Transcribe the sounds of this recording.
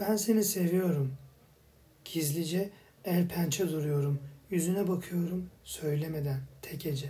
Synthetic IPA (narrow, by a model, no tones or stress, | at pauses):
b̥ænse̞nise̞vijo̞ɾum | ɟ̥izlʲid͡ʒɛ | æɾpʰænt͡ʃʰɛd̪uɾujo̞ɾumjyzynɛbakʰɯjo̞ɾumsø̞jlʲeme̞d̪ænt̪ʰɛcʰed͡ʒɛ